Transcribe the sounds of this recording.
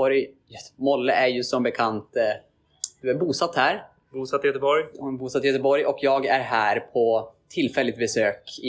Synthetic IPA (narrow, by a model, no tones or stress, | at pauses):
ɔɾj | mɔlːəʔæɾjɵsɔmbɛkʰant̪ | d̪̥ɵæɾbuːsat̪ːhæɾ | buːsat̪ːɪjœt̪əbɔɾjbuːsat̪ːɪjœt̪əbɔɾjɔkʰjɑːɡæɾɦæːɾpʰɔt̪ʰɪlːfɛlːɪt̪̚bɛsøːkɪ